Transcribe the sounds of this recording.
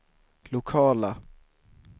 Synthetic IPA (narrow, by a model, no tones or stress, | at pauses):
lʊkʰɑːla